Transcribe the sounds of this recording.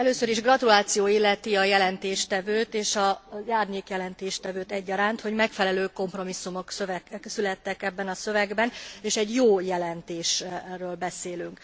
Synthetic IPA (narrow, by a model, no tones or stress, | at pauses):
ɛløːsøɾiʒɡrɒt̪ulaːt̪sijoːilːɛt̪iɒjɛlɛnt̪eːʃt̪ɛvøːt̪eːʃɒzaːrɲeːkjɛlɛnt̪eːʃt̪ɛvøːt̪ɛɟːɒɾaːnt̪ho̞ɟmɛkfɛlɛløːko̞mpro̞misːumo̞ksøvɛsylɛt̪ːɛkɛbːɛnɒsø̞vɛɡbɛneːʃɛɟjoːjɛlɛnt̪eːʃrøːlbɛseːlyŋk